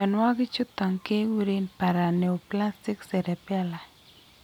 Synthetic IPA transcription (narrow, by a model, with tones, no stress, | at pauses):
ɛ˨nwa˦ɡɪ˦t͡ʃʊ˦t̪ɔ˨ŋke˦wi˦ɾi˦npa˨ɾa˨ne˨o˨pla˦stɪ˦ksɛ˨ɾɛ˨pa˦la˨